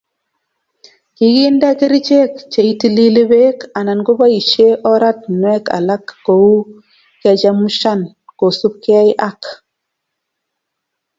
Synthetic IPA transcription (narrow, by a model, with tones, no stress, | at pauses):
ki˨ɡi˦nda˦ke˦ɾi˦t͡ʃe˦kt͡ʃe˨i˦ti˦li˦li˦be˦ka˨na˨nɡo˦ba˦i˨t͡ʃe˦ʔɔ˦ɾa˦t̚nwɛ˦ka̰˨la˦kːo˨u˦ | kɛ˨t͡ʃa˦mu˦ʃa˦n | ko˨su˦p̚ka˦i˦ʔa˦k